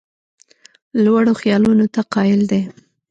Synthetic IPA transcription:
lwaɽoxjɑlunot̪aqɑjɪld̪e

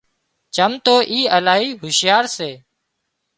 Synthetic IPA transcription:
t͡ʃəmt̪oːʔiːəlaːɦiːɦʊʃɪjaːɾseː

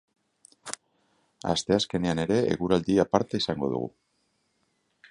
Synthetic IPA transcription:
a̰st̪e̞aske̞ne̞ane̞ɾe̞ḛɣuɾald̪iapaɾt̪aisaŋɡo̞ðṵɣṵ

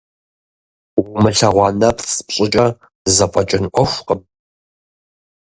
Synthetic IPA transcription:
wʊmɨɬɐʁʷɑːnɐpʰspɕʼɪt͡ʃʼɐ | zɐpʷʼɐt͡ʃʼɪnʔʷɔʃʷqəm

